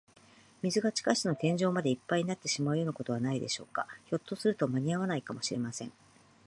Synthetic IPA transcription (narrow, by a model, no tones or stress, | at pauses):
mʲizɨɡat͡ɕi̥kaɕt̪eno̞t̪ẽ̞ɲ̟d͡ʑo̞ːmad̪e̞ipːaiɲinat̪ːe̞ɕimaɯ̟jo̞nako̞t̪o̞βanaid̪e̞̰ɕo̞ːkaço̞t̪ːo̞sɨɾɯ̟t̪o̞maɲ̟iaβ̞anaikamo̞ɕiɾemasẽ̞ŋ